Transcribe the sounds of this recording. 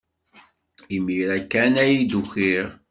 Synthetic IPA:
imːiɾækːænæjid̪uxiɾ

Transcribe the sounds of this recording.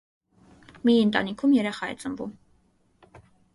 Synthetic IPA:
miɨnt̪ʼɑ̰nikʰumjɛɾɛχɑɛ̰t͡sʼəmbṵm

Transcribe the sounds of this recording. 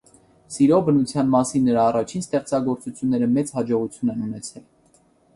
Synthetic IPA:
siɾɔbənut͡sʰjɑnmɑsinːəɾɑːrɑt͡ʃʰinst̪ɛχt͡sɑɡɔɾt͡sut͡sʰjunːɛɾəmɛt͡shɑd͡ʒɔʁut͡sʰjunɛnunɛt͡sʰɛl

